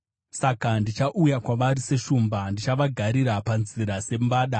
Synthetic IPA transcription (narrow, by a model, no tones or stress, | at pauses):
sakandit͡ʃaʔujakwaʋaɾise̞ʃumbandit͡ʃaʋaɡʱaɾiɾapanziɾase̞mbaːɗa